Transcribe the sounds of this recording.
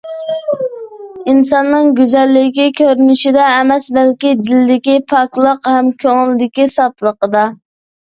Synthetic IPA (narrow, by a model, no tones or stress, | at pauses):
insɑnːɨŋɡʲyzɛlːɪkʲikʲʰøɾynɪʃid̪ɛːmɛsbɛlkʲid̪ɪlɪd̪ɪkʲipʰɑklˠəqhɛmkʲʰøŋɪlɪd̪ɪkʲisɑplˠəqəd̪ɑ